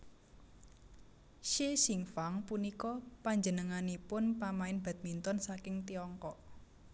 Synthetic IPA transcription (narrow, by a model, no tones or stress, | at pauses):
ʃesiŋfaŋpunikɔpaɲd͡ʒənəŋanipʊnpamaɪnb̥a̤t̪̚mint̪ɔnsakɪŋt̪iɔŋkɔʔ